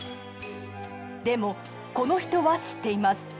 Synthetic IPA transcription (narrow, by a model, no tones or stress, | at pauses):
d̪e̞mo̞ | ko̞no̞çi̥t̪o̞βaɕi̥t̪ːe̞imasɨ̥